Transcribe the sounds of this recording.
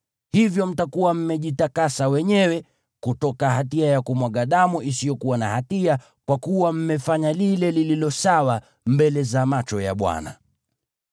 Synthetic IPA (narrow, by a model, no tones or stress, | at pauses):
hivjɔm̩takuwam̩mɛʄitakasawɛɲɛwɛ | kutɔkaɦatiajakumwaɠaɗamuʔisijɔkuwanahatia | kwakuwam̩mɛfaɲalilɛlililɔsawa | mbɛlɛzamat͡ʃɔja̰ɓwa̰na̰